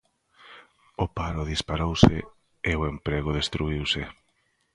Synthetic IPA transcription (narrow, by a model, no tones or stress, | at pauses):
ʊpaɾʊðispaɾowse | eoempɾeɣʊðest̪ɾuiwse